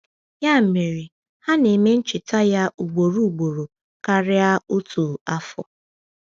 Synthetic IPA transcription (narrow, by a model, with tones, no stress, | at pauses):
ja˦m̩˨mi˨ɾɪ˨ | ha˦ne˨me˦n̩˦t͡ʃɪ˨ta˦ja˦ʔu˨ɡ͡bo˨ɾu˦˨ɡ͡bo˨ɾo˨ | ka˦ɾɪ˦a˦o˦tʰu˨a˦fɔ̰˨